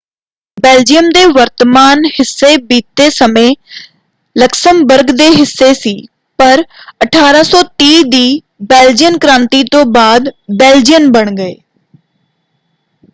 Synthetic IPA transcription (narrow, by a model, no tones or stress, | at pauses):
beːld͡ʒijəmd̪eːʋəɾt̪əmaːnhɪsːeːbiːt̪ːeːsəmẽː | ləksəmbəɾɡd̪eːɦɪsːeːsiː | pəɾəʈʰaːɾaːsɔːt̪iːd̪iː | beːld͡ʒɪjənkɾãːnt̪iːt̪õːbaːd̪bɛːld͡ʒijəmbəɳɡəeː